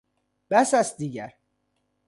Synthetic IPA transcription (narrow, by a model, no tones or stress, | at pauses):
b̥æsæs̚d̪iːɟæɾ